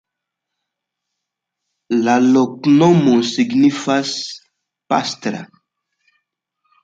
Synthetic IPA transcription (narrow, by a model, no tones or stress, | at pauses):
lalɔknɔmõsiɡnifas | pa̰st̪ɾa̰